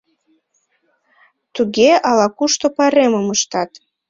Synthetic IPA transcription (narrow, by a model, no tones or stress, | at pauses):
t̪uɣeʔɑlɑkuʃt̪opɑɾeməməʃt̪ɑt̪